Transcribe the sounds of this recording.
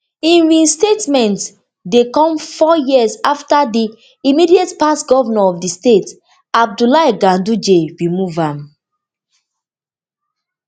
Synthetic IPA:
ĩnɹĩnstetmɛ̃nt | dekɔ̃mfɔjizaftadiː | midietpasɡɔvanaɔfdistet | ab̚dulajɡãndud͡ʒeɹimuvãm

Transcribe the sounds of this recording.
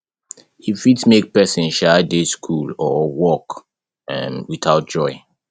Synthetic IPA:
ifitmek̚pɛsĩnʃɛdeskʰulɔwɔk | mwiθaʊt̚d͡ʒɔɪ

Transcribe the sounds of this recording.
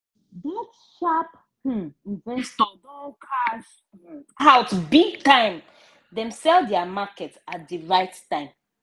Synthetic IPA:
bit | ʃap̩ | izɛ̃nstɔdɔlkʰaʃ | aʊtbiɡ̚tãɪ̃m | dɛ̃msɛldɛamakɛtsat̚diɹaɪttãɪ̃m

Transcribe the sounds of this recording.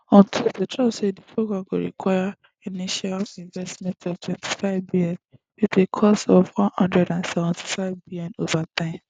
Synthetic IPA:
ɔ̃ntʰildetɹabsedipʰɹoɡɹãmɡo̰ɹḭkwaɪa | iniʃalĩɱvɛstmɛ̃ntɔvtwɛ̃ntʰi̥faɪvbilɔ̃n | witekʰɔsɔvwɔ̃nhɔ̃ndɹɛdãnsɛvɛ̃ntʰi̥faɪvbiljɔ̃novatãn

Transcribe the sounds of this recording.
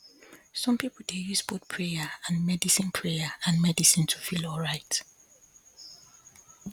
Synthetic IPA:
sɔ̃mpipʰl̩dejusbot̚pʰɹejaãnmɛdisĩnpʰɹejaãnmɛdisĩntʰu̥filɔlɹaɪt

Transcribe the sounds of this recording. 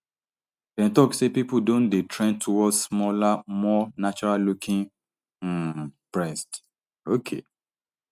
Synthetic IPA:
d̥ɛ̃ntɔksepipudõndetʰɹɛ̃ntʰuwɔsmɔlamɔnat͡ʃɔɹalukʰĩŋ̩ | pɹɛst | okʰḛ

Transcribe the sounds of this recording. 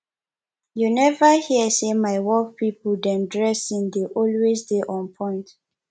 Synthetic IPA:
junɛvəhiəsemaɪwɔlfpʰipɔldɛ̃mdɹɛsĩŋdeʔɔlwesdeʔɔ̃npʰɔ̃ɪ̃nt

